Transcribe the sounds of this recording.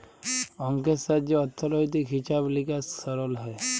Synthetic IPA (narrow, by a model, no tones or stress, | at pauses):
ɔŋkesad͡ʒjɔɔt̪ʰːɔlɔjt̪ikɦit͡ʃablikasɔɾɔlɦɔj